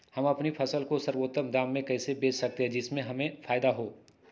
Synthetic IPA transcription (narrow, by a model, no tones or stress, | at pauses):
hɐmɐpnipʰɐsəlkosəɾwoːt̪ːəmd̪aːmːẽkɛːsebeːt͡ʃsɐk̚t̪eɦɛ̃d͡ʒɪsmẽɦɐmẽfʰaːjd̪aɦoː